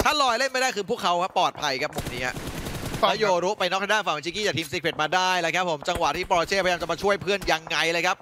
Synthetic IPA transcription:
t̪ʰa˥˩lɔː˧jle˥˩nma˥˩jdaː˥˩jkʰɯː˧pʰu˥˩əkʰa˦˥wkʰa˦˥pːɔː˨˩t̪̚pʰa˧jkʰa˦˥p̚mo˨˩k̚niː˦˥a̰˧˩ | a˥˩joː˧ɾuː˦˥pa˧jnɔ˦˥˩daː˥˩fa˨˩m˨˧˩t͡ɕʰi˧˥kiː˥˩aː˨˩k̚t̪ʰiː˧ms̬iː˦˥pʰe˨˩t̪̚maː˧daː˥˩jla˦˥kʰa˦˥p̚ʰːo˩˦mt͡ɕa˧ŋwa˨˩t̪ʰiː˥˩pɔː˧ɾt͡ɕ̪ʰeː˥˩a˧jaː˧t͡ɕa˨˩maː˧t͡ɕʰu˥˩əjpʰɯ˥˩ənja˧ŋːa˧jlɤː˧jkʰa˦˥p̚

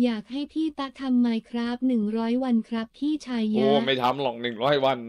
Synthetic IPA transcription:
jaː˨˩k̚ha˥˩jt̪ʰiː˥˩t̪a˦˥k̚t̪ʰa˧mːaː˧jkʰɾa˦˥p̚nɯ˨˩ŋɾɔː˦˥jwa˧nkʰɾa˦˥p̚t̪ʰiː˥˩t͡ɕʰaː˧jːaoː˧˩ma˥˩jt̪ʰa˦˥mlɔ˨˩k̚nɯ˨˩ŋɾɔː˦˥˩jwa˧n

